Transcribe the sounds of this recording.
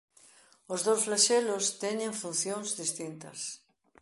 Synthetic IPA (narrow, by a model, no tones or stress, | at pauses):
ʊzðowsflaʃɛlʊst̪ɛɲẽɱfunθjõŋzðist̪int̪ɐ̰s